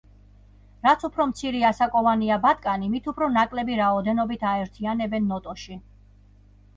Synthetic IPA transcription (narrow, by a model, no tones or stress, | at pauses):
ɾat̪sʰupʰɾɔmt̪sʰiɾiasakʼɔvaniabat̪ʼkʼanimit̪ʰupʰɾɔnakʼlɛbiɾaɔd̪ɛnɔbit̪ʰaɛɾt̪ʰianɛbɛnːɔt̪ʼɔʃi